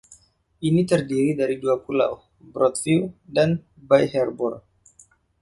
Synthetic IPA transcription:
init̪ərdiɾidaɾiduapula̰w | bɾɔt̪fildan | bajhɛrbɔr

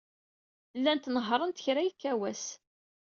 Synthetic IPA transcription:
lːænt̪nəɦɾˤənt̪ə̥çɾæjikːæwæs

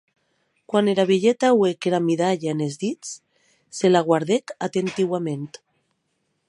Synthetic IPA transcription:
kwaneɾaβeʎet̪awekeɾamiðaʎaenezðit͡s | selaɣwaɾðekat̪ent̪iwamẽnt̪

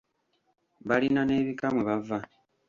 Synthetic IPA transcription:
βalinane̞βikamuβava

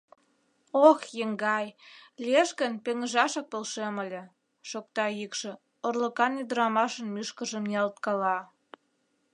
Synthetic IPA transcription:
oxjəŋɡɑjlʲieʃkənpeŋəʒɑʃɑk̚polʃeməlʲĕ | ʃok̚t̪ɑjikʃĕ | orlə̆kɑnid̪əɾɑmɑʃə̆nmyʃkəʒə̆mniɑlt̪̚kɑlɑ

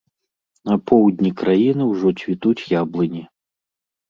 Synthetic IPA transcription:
nɐpʰɔwd̪ʲnʲikɾajinɨwʐɔt͡sʲvʲit̪ut͡sʲjablˠɨnʲi

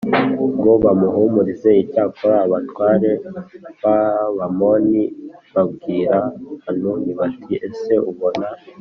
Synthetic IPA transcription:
ɡo̞βamuɦumuɾize̞icaːkʰoɾaːβatwaːɾe̞βaβamoniβabɡiːɾahanuniβatʰiʔese̞uβo̞na

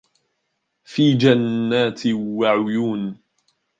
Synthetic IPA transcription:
fiːd͡ʒanːaːt̪ɪwaʕʊjuːn

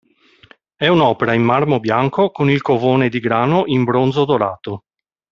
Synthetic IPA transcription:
ɛunɔːpeɾaimːarmobjaŋkʰokonilkovoːned̪iɡɾaːnoʔimbɾond̪zod̪oɾaːt̪o

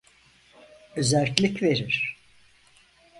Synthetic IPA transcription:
øzælʲtclʲicve̞ɾiɾ̥

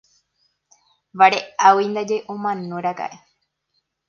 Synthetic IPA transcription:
ʋaɾeawind̪ad͡ʒeʔõmãnũɾaka̰ʔe

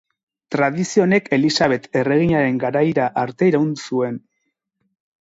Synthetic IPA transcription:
t̪ɾaðisio̞ne̞kʰe̞lisaβe̞t̪e̞re̞ɣ̞iɲaɾe̞ŋɡaɾajɾaʔaɾt̪e̞iɾaund̪usue̞n

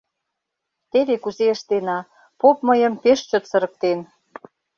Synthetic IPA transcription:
t̪eβekuzeəʃt̪enɑ | popməjə̆mpeʃt͡ɕət̪sə̆ɾə̆k̚t̪en

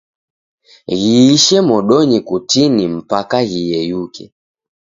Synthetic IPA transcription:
ɣiːʃɛmɔɗɔɲikutinim̩pakaɣijɛjukʰɛ̰

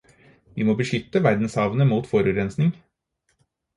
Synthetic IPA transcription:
ʋimoːbəʂʏt̪ːəʋæɾd̪n̩shɑːʋənəmuːt̪fɔɾʉːɾɛnsnɪŋ

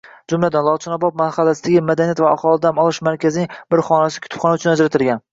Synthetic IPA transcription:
d͡ʒʊmlad̪anlˠɒt͡ʃʰɪnɒbɒp̪̚manχalːasɪd̪aɡʲɪmad̪anijat̪vaaχɒlˠɪd̪aamɒlˠɪʃmaɾkʲʰazɪnɪŋb̥ɪɾχɒnasɪ̥kʰʊ̥t̪ʰpχɒnaʊt͡ʃʰʊnad͡ʒɾat̪ʰɪlɡʲan

